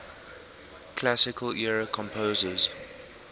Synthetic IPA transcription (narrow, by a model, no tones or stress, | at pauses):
kʰlasɪkʰəlʔiɔɹəkʰɔ̃mpʰoːzəz̥